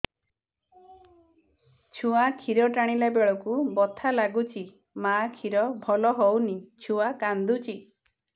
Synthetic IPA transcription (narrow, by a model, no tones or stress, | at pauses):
t͡ʃʰuakʰiɾɔʈaɽ̃ilabeɭɔkubɔt̪ʰalaɡut͡ʃʰi | makʰiɾɔbʱɔlɔɦownit͡ʃʰuakand̪ut͡ʃʰi